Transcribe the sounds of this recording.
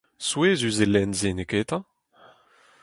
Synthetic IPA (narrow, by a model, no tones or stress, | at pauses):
sweːzyzelɛnzenekeːt̪ɑ̃